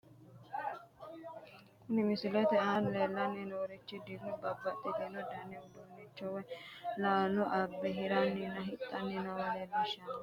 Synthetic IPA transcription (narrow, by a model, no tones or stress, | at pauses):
kʊnɪmɪsɪlɛt̪ɛʔanleːlːɐnːɛnɔɔɾɪt͡ʃːɪd̪ɪɡnʊbɐbːɐt̪ʼːɪt̪ɪnɔd̪ɐnːɛʊd̪ʊnːɪt͡ʃːɔwɛlaːlʊʔɐbːɛɦɪɾɐnːinːɐɦɪt̪ʼːɐnːɪnɔwɐlebɪʃːɐ